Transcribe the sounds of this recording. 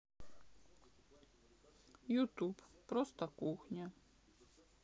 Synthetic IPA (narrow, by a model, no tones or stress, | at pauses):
jut̪uppɾɔst̪ɐkuxnʲa